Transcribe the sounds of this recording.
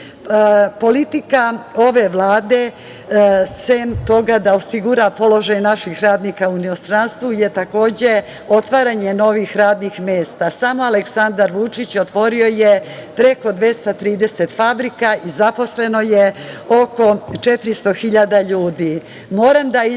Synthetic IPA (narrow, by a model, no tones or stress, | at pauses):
po̞lit̪ikao̞ʋe̞ʋlˠaːd̪e̞ | semt̪o̞ɡad̪aosiɡuɾapo̞lo̞ʒajnaʃixɾaːd̪niːkauninost̪ɾanst̪ʋujet̪ako̞ːd͡ʑe | o̞t̪ʋaːɾaɲe̞no̞ʋixɾaːd̪nixmeːst̪asamo̞aleksand̪aɾʋut͡ʂit͡ɕot̪ʋo̞ɾio̞jepɾe̞ko̞d̪ʋje̞st̪at̪ɾiːd̪eset̪fabɾikaʔizapo̞sle̞nojeo̞ko̞t͡ʃet̪ɾist̪o̞xiʎad̪aʎuːd̪iː | mo̞ːɾamd̪ai